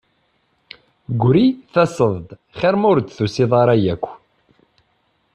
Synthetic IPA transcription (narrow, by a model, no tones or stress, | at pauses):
ɡʷɾiθæsˤəðˤd̪ | χæɾmʊɾt͡s̪ːθusiðˤɑɾˤɑjækʷː